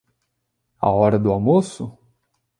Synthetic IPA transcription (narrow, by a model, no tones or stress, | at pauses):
a̰ɔɾɐd̪ʊamosʊ